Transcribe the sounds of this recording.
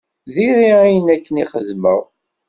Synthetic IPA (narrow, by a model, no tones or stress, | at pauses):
ðiɾiæjənækːəniχəðməʁ